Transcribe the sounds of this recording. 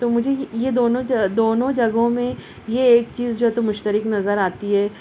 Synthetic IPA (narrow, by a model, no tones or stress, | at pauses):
t̪omʊd͡ʒʱejed̪oːnõd͡ʒd̪oːnõd͡ʒɐɡõmẽ | jeːk̚t͡ʃiːzd͡ʒoːɦɛt̪omʊʃt̪əɾɪknɐzəɾaːt̪iɦɛː